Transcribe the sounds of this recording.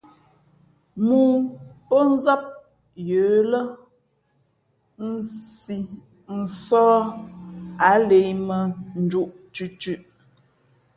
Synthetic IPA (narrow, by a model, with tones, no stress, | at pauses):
mu˨pə˦n̩˦za˦p̚ | jəː˨˦lə˦ | n̩˦˨si˨ | n̩˨sɔː˦ | a˨˦le˨jmə˨n̩˨˦d͡ʒu˦ʔ | t͡ʃʉ˦t͡ʃʉ˦ʔ